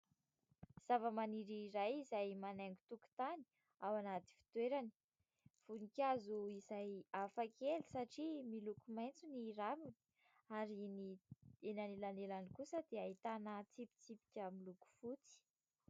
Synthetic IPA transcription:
z̥avəmaniɾiːɾajizajmanaŋɡut̪uku̥t̪ani̥ | awanat̪i̥fi̥t̪weɾani̥ | v̥unikʲazuizajafakelisaʈ͡ʂimilukumajnt͡suniɾamin | aɾinienanilanelanikusəd̪eait̪anət͡sipi̥t͡sipi̥kʲamiluku̥fut͡si̥

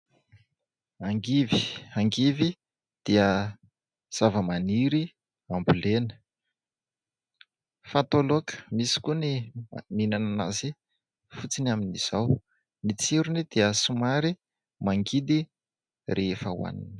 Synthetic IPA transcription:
aŋɡiviaŋɡivi | d̪̥iə | z̥avəmaniɾi | ambulenə̥ | fat̪olokə̥misi̥kʲuniminanana̰zi | fut͡sinaminiz̥aw | nit͡siɾunid̪̥iəsumaɾi | maŋɡid̪i | rʔeefəw̰a̰nḭn

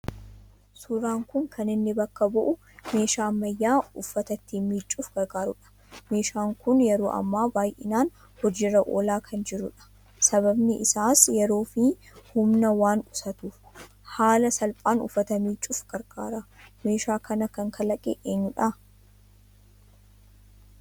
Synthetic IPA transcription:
suɾaːŋkʊŋkʰɐnɪnːɪbɐkːɐbʊʔʊ | me̞ːʃaːmːɐjːaːʊfːɐt̪ɐt̪ːiːmiːt͡ʃʼːuːfɡ̥ɐɾɡaːɾʊᶑɐ̥ | me̞ːʃaːŋkʊnjɛɾoːʔɐ̰mːaːbaːjʔɪnaːn | hɔd͡ʒɪrɐʔo̰ːlaːkʰɐnd͡ʒɪɾʊᶑɐ̥ | sɐbɐbnɪʔɪsaːsjɛɾo̞ːfi | hʊmnɐwaːnʊsɐt̪uːf | haːlɐsɐlpʼaːnʊ̰fːɐt̪ɐmiːt͡ʃʼːuːfɡ̥ɐɾɡ̥aːɾɐme̞ːʃaːkʰɐnɐkɐŋkʰɐlɐkʼɛʔeːɲːʊᶑɐ

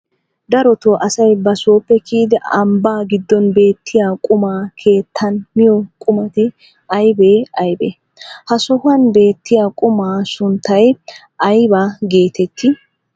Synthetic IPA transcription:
d̪ɐɾɔt̪oːʔɐsɐjbɐsoːpːɛkiːd̪ɛɐmbaːɡɪd̪ːɔnbe̞ːt̪ʰːɪjaːkʼʊmaːkʰe̞ːt̪ʰːɐnmɪjɔkʼʊmɐt̪ɪ | ʔɐjbe̞ːɐjbḛ | hɐsɔhʊɐnbe̞ːt̪ːɪjaːkʼʊmaːsʊnt̪ːɐj | ʔɐjbaːɡe̞ːt̪ɛt̪ːɪ

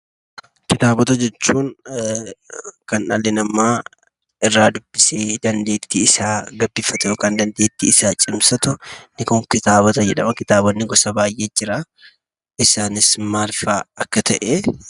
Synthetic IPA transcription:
kɪt̪aːbɔt̪ɐd͡ʒɛt͡ʃːuːn | kɐnɐlːɛnɐmːaː | ɪrːaːd̪ʊbːɪseːd̪ɐnd̪e̞ːt̪ːiɪsaːɡɐbːɪːfɐt̪ɛjoːkaːnd̪ɐnd̪eːt̪ːiɪsaːt͡ʃʼɪmsɐt̪ʊnɪkʊŋkɪt̪aːβɔt̪ɐd͡ʒɛᶑɐmɐkɪt̪aːbɔnːɪɡɔsɐbaːjʔeːd͡ʒɪɾaː | ɪsaːnɪsmaːlfaːɐkːɐt̪ɐʔe

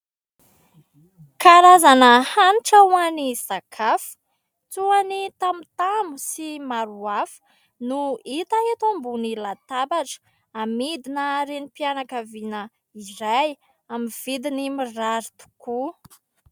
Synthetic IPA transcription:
kaɾazanəhaniʈ͡ʂawanizakʰafə̥ | t͡suanit̪amut̪amusimaɾuafə̥ | nuit̪aet̪ambunilat̪abaʈ͡ʂə̥ | amid̪inəɾenipianakavinə | iɾaj | amiv̥id̪inimiraɾit̪u̥ku

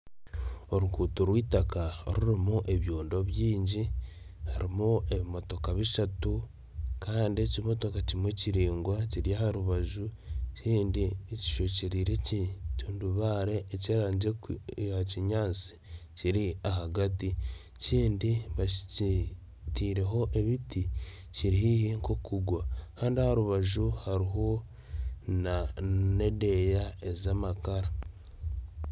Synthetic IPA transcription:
o̞ɾukuːtuɾwiːtakao̰ɾuɾimuʔeβjoːndo̞βjiːɲɟi | haɾimue̞βimo̞to̞kaβiʃatu | kaːndiecimo̞to̞kacimweciɾiːŋɡwaciɾijahaɾuβaʒuciːndieci̥ʃoceɾiːɾeccuːnduβaːɾe̞ːciɾaːɲɟeaciɲaːt͡si̥ciɾiaɦaɡati | ciːndiβai̥c | tiːɾe̞ɦo̞ʔe̞βiti | ciɾihihiŋkokuɡwakaːndiahaɾuβaʒuhaɾiɦo | nanede̞jaezamakaɾa

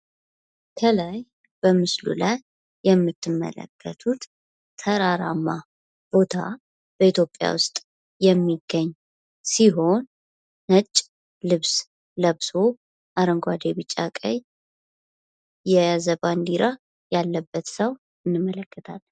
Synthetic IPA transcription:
kʰəlaj | b̥əmɨslṵlajː | ɛmːɨt̪ʰːɨmːə̰lə̰kʰːə̰t̪ʰut̪ | t̪ʰːəɾaɾamːa | b̥ot̪ʰa̰ | b̥əit̪ʰjo̞pʼːja̰wʊst̪ʼː | ɛmːiɡːəɲː | siɦo̞n | nət͡ʃʼː | lɨβs | ləβso | ʔaɾəŋɡʷad̪eβɨt͡ʃʼːa̰kʼəɲ | jɛazəband̪iɾa | jalːəbːət̪səw | ɨnːɨmːələkːət̪ʰal

